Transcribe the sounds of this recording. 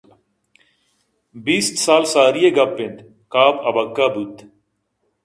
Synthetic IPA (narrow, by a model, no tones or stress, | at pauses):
biːst̪saːlsaːɾijeɡɐpːend̪ | kaːpɐbɐkːaːbut̪